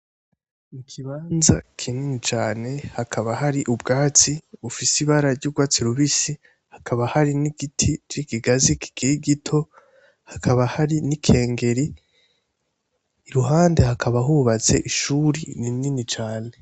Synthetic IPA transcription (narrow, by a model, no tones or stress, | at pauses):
ikʰiβaːnza̰kʰininit͡ʃaːne̞hakʰaβahaɾiʔubɡaːt͡siufisiβaɾaɾɟuːɡwaːt͡siɾuβisi | hakʰaβahaɾiniɡitʰit͡ʃikiɡaziki̥ɡiɾiɡitʰo̞ | hakʰaβahaɾinikʰe̞ːŋɡe̞ɾi | ɾuɦaːnde̞hakʰaβaɦuβat͡se̞̰ʔiʃuːɾinininit͡ʃaːne̞